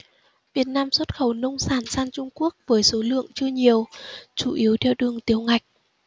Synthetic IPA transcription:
vi˨˩ət̚naː˧mswə˦˥t̚xə˨˩wnə˧wŋ͡msaː˨˧˩nsaː˧nt͡ɕʊ˧ŋ͡mku˦˥ək̚vəː˨˦jso˨˦lɨ̰˧˨əŋt͡ɕɨ˧əɲi˨˩əwt͡ɕu˧˩ʔi˨˦əwt̪ʰɛ˧˩wɗɨ˨˩əŋt̪i˨˦əwŋa˨˩jk̟̚

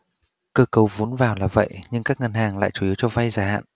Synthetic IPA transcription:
kəː˧kə˨˩wvu˨˦ənvaː˨˩wlaː˨˩və̰˧˨jɲɨ˧ŋkaː˦˥k̚ŋə˨˩nhaː˨˩ŋla̰ː˧˨jt͡ɕu˧˩i˨˦əwt͡ɕɔ˧va˧jzaː˨˩ha̰ː˧˨nʔ

